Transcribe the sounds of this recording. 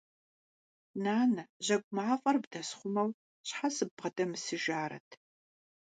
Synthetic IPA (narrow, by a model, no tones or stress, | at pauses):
naːnɐʑɐɡʷʼʊmaːfʼɐrbdɐsχʷʊmɐw | ɕħasɨbʁɐdʼɐmɨsɨʒaːɾɐ̰tʰ